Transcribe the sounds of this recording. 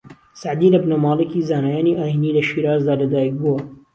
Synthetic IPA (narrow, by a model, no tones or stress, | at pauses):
saʕd̪iːlɐbnɐmɑːlɪkiːzaːnajaːniʔaːjiniːlɐʃiːɾaːzd̪aːlɐd̪aːjik̚buɐ